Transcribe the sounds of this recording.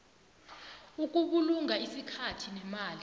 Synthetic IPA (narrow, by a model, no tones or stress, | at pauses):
uk̬ʼuɓuluŋaisikʰatʰinɛmaːli